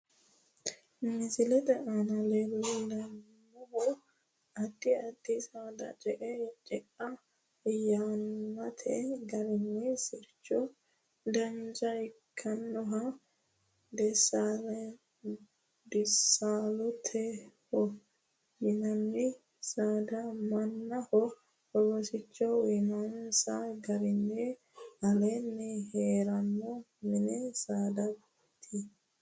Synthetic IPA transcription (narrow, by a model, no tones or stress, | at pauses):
mɪsɪlɛt̪ɛʔanɐlɛlɛlɐnː | ɔhɔ | ɐd̪ːɪɐd̪ːɪsad̪ɐ̰t͡ʃʼɛʔɛt͡ʃʼɛʔɐ | janmɐt̪ʰɛɡɐɾɪnːɛsɪɾt͡ʃːɔ | d̪ɐnd͡ʒɐɪkʰːɐnːɔɦɐ | d̪ɛsaːlɛ | d̪ɪsaːlʊt̪ʰɛhɔ | mɪnɐnːɪ | saːd̪ɐmɐnːɐhɔ | ɔwɔsɪt͡ʃːɔwɪnɔnsɐɡɐɾɪnːɛ | ɐlɛnːɛheːɾɐnːɔ | mɪnɛsaːd̪ɐb | t̪ʰi